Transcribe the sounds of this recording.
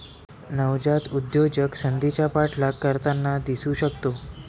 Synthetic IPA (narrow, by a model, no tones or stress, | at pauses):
nəʋd͡ʑat̪ud̪jod͡ʑəkɕənd̪it͡ɕjapaʈʰlakːəɾt̪anːad̪isuːɕəkt̪o